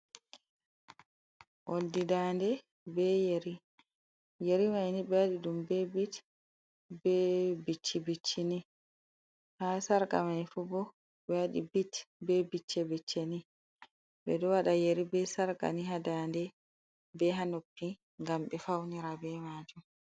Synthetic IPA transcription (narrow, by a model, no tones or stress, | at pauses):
ʔoldidandɛ | bɛjeɾi | jeɾimajnibɛwaɗiɗumbɛbit | bɛbit͡ʃːibit͡ʃːini | hasaɾka̰maifubɔ | bɛwaɗḭbitbɛbit͡ʃːɛbit͡ʃːeni | bɛ̰dɔwaɗajeɾibɛsaɾka̰niɦadaːndɛ | bɛɦanopːi | ŋɡambɛfawniɾabɛmaːd͡ʒum